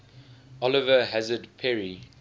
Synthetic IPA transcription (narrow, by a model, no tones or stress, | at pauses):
ɔlɪvəɦazədpʰɛɹi